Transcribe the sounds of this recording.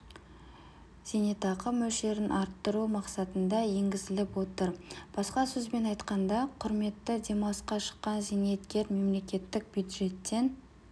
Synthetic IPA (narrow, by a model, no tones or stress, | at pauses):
z̥inet̪ɑqəmːɵʃe̞ɾɪnʔɑɾt̪ːəɾumɑqsɑt̪ənd̪ɑje̞ŋɡʲɪzɪlɪpwo̞t̪əɾb̥ɑsqɑsɵzbe̞nɑjt̪qɑnd̪ɑqʰʊɾme̞t̪ːɪd̪ʲe̞mɑsqɑʃə̥qːɑnzinet̪kʲe̞ɾme̞mle̞kʲe̞t̪ːɪk̚b̥jud̪ʒe̞t̪ːe̞n